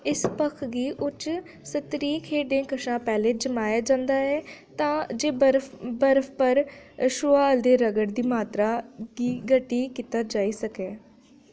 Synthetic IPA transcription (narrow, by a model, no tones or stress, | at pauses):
ɪspəkʰɡiːʔʊt͡ʃ | sət̪ɾiːkʰeːɖẽːkəʃãːpɛːleːd͡ʒəmaːjaːd͡ʒãːnd̪aːɛːt̪ãːd͡ʒeːbəɾbəɾfʰpəɾʃʊːaːəld̪eːɾəɡəɽd̪iːmaːt̪ɾaːɡiːɡəʈːiːkiːt̪aːd͡ʒaːiːsəkɛː